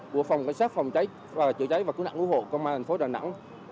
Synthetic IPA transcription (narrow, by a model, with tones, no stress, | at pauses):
ku˧˩ək̚fa˨˩wŋ͡mka˧˩jŋ̟saː˦˥t̚fa˨˩wŋ͡mt͡ɕa˨˦jː | t͡ɕɨ̰˧˨ət͡ɕa˨˦jvaː˨˩kɨ˧˥˦na̰˧˨ŋʔu˧˥ho̰˧˨kːŋ͡mmaː˧t̪ʰŋ̟fo˨˦ɗaː˨˩na̰˧˥ŋ